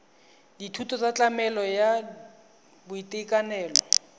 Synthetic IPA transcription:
ditʰutʰɔt͡sat͡ɬʼamɛlɔja | bʊitʼekʼanɛːlɔ

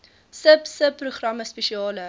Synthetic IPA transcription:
səpsəpːruχrɐməspɛʃiɑːlə

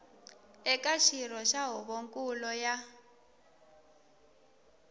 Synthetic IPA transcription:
ɛkʼaʃiɾɔʃaɦɔβoŋkʼulɔja

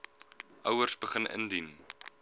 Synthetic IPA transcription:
ʔœwərsbəχənə̰ndin

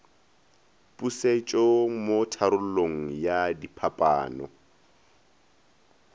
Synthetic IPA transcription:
pʼuset͡ʃʼɔmotʰaɾʊloŋ̩jadipʰapʼa̰ːnɔ

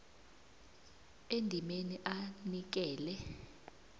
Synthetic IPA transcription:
endʱimeniʔanik̬ɛːlɛ

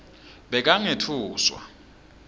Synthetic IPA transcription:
ɓɛk̬aŋetʰuːswa̰

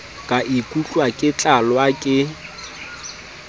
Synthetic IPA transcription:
kʼaʔikʼut͡ɬʼwakʼɪt͡ɬʼalwakʼɪ

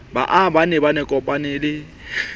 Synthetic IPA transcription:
ba̰ʔabanɛbanɛkʼɔpʼanɪlɪ

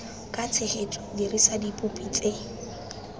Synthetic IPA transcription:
kʼat͡sʰeχetʼɔdirisadipʼupʼit͡sʼe

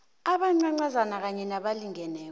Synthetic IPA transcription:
aɓaŋ͡ǀaŋ͡ǀazanak̬aɲɛnaɓaliŋʱɛnɛːk

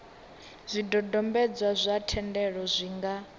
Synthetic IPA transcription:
zʷidɔdɔmbɛd͡zwazʷatʰɛndɛɺɔzʷiŋɡa

